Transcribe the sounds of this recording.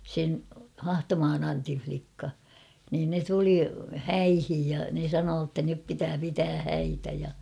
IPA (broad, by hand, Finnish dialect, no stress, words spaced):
sen hɑhtomɑːn ɑntin̞ʲ flikːɑ niːn ne tuli hæihij jɑ ne sɑnoː tːæ nyp pitæː pitæː hæitæ jɑ